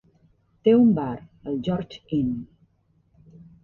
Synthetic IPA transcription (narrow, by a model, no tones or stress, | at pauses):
t̪eumbaɾ | əld͡ʒɔɾt͡ʃin